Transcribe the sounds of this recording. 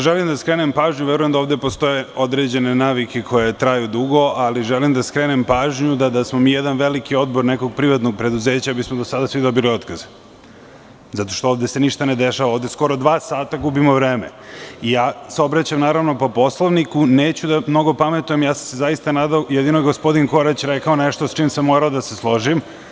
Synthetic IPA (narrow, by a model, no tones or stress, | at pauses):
ʒelimd̪askɾe̞ːnempaːʒɲuʋjeɾujemd̪aoʋd̪epost̪o̞jeo̞d̪ɾed͡ʑe̞nenaːʋikekʰo̞je̞t̪ɾajud̪uɡo̞ʔaliʒelimd̪askɾenempaːʒɲud̪ad̪asmomiːjed̪anʋelikio̞d̪bo̞ɾneko̞ɡ̚pɾiʋat̪noɡ̚pɾe̞d̪uze̞ːt͡ɕabismod̪osad̪asʋid̪o̞bilio̞t̪kaz | zat̪o̞ʃt̪o̞oːvd̪eseniʃt̪aned̪eʃaʋaoːvd̪esko̞ɾod̪ʋaːsaːt̪aɡubimoʋɾeːmḛijaːseo̞bɾat͡ɕamnaːɾaʋno̞po̞po̞slˠoʋnikuneːt͡ɕud̪amno̞ɡo̞pamet̪uje̞mjaːsamsezajist̪anaːd̪aojɛd̪inoeɡospo̞d̪inko̞ɾat͡ɕɾekaoneʃt̪ost͡ʃiːmsamːo̞ɾaod̪aseslˠo̞ʒim